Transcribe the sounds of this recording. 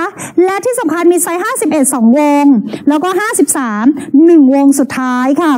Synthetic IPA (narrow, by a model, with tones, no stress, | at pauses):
lɛ˦˥t̪ʰiː˥˩sa˨˩˦mkʰa˧nmiː˧sa˦˥jɦaː˥˩si˨˩p̚ʔe˨˩t̪̚sɔː˩˦ŋwo˧ŋlɛː˦˥wkɔː˥˩ɦaː˥˩si˨˩p̚saː˩˦mnɯ˨˩ŋwo˧ŋsu˨˩t̪ʰːaː˦˥jkʰa˥˩